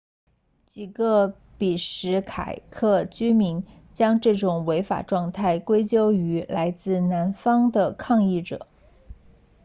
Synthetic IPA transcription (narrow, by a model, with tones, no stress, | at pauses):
t͡ɕi˨˩ɡə˧ | pi˨˩ʂɻ̩˧˥kʰa̰˨˩ɪkʰɤ˥˩t͡ɕy˥mi˧˥n | t͡ɕjɑ˥ŋʈ͡ʂɤ˥˩ʈ͡ʂʊ˨˩ŋwe˧˥ɪfa̰˨˩ʈ͡ʂwɑ˥˧ŋt̪ʰa˥˩ɪkwe˥ɪt͡ɕjo˥ʊy˧˥la˧˥ɪt͡sɹ̩˥˩na˧˥nfɑ˥ŋd̪ə˨kʰɑ˥˧ŋi˥˩ʈ͡ʂɤ̰˨˩˦